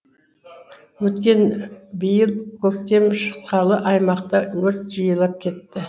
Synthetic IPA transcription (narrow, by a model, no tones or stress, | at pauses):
wɵt̪kʲe̞nbijəlˠkʲʰɵk̚t̪e̞mʃə̥t̪̚qɑlˠəʔɑjmɑqt̪ɑwɵɾt̪ʒəjəlˠɑp̚kʲʰe̞t̪ːɪ